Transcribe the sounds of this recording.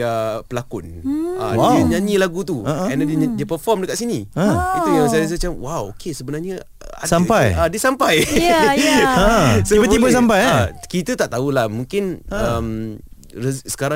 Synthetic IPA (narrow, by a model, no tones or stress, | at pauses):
apəlakʊna̰waiəɲãɲĩlaɡut̪uɛndɛddiəpəfɔmdəkaʔ̪̚siniəit̪ujaŋsajas̬mat͡ʃamwawokesəbənaɲə̰ | a̰dsampajadiəsampaj | soibət̪ibəs̬ampajakit̪ət̪aʔt̪aulahmũŋkɪnəm | əsə̥kaɾa